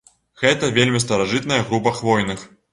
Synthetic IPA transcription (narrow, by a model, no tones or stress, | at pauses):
ɣɛt̪ɐvʲelʲmʲis̬t̪ɐɾaʐɨt̪̚nɐjɐɣɾupɐxvɔjnɨx